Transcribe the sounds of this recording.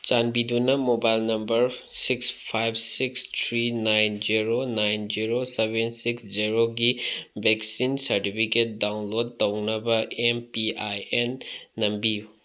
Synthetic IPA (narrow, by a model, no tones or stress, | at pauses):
t͡ʃanbidunɐmobajlnɐmbɐɾ | sikspʰajb̚ʱsikst̪ʰɾinajnd͡ʒiɾonajnd͡ʒiɾosebensiksd͡ʒiɾoɡibʱeksinsɐɾtipʰiket̚dawnlod̚tɐwnɐbɐʔempiajenːɐmbiju